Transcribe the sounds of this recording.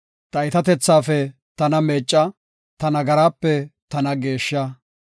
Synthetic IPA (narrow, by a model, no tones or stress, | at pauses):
t̪ɐɪt̪ɐt̪ɛt͡sːaːfɛ | t̪ɐnɐmeːt͡ʃʼːɐ | t̪ɐnɐɡɐɾaːpːɛt̪ɐnɐɡe̞ːʃːɐ